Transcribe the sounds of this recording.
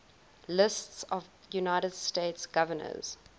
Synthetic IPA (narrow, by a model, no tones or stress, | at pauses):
lɪstsɔv | junaɪɾədsteɪtsɡ̥avənə̰z̥